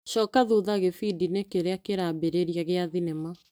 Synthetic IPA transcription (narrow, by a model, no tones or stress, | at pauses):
ʃɔːkaðoðaɣefidinekeɾeakeɾabeɾeɾiaɣeaðinɛma